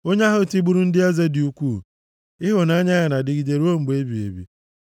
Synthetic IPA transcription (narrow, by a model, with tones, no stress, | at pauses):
o˦ɲ˦a˦ɦʊ˦˨ti˦ɡ͡bu˦ɾu˦n̩˦dɪ˦a˦ze˦dɪ˨u˦kʷu˦˨ | ɪ˦ɦʊ˨na˦ɲa˦ɣa˨na˨dɪ˨ɡi˨de˨ɾu˦o˦m̩˨ɡ͡be˦bi˨ḛ˨bḭ˨